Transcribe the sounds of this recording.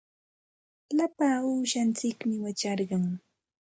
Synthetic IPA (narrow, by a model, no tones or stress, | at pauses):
lapaːuːʃant͡sɪkmɪwat͡ʃɑɾɢɑŋ